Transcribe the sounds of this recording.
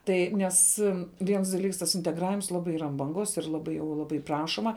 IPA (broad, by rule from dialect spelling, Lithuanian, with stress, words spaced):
ˈtɐɪ ˈnʲɛs ˈʋʲiɛns dɐˈlʲiːks tɐs ɪnʲtʲɛɡˈrɑːʋʲɪms ˈlˠɑːbɐɪ ˈiːrɐ ɐn bɐŋˈɡoːs ɪr ˈlˠɑːbɐɪ jɛʊ ˈlˠɑːbɐɪ ˈprɑːʃoːmɐ